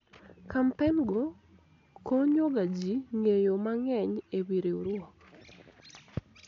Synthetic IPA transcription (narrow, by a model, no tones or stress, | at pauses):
kampɛnɡo | koɲoɡad͡ʒiŋejomaŋɛɲewiɾeuɾwɔk